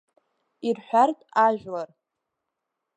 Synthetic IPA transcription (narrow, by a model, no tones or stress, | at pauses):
irħʷᶣartʼaʒᶣlar